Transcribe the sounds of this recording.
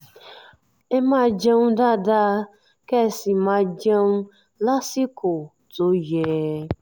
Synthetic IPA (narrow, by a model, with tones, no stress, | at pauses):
e˦ma˦˨d͡ʒe˦nu˦da˦˨da˦ | kɛ˦˨si˨ma˧d͡ʒe˦nu˦ | la˦si˦ko˨ | to˨˦jɛ˨˦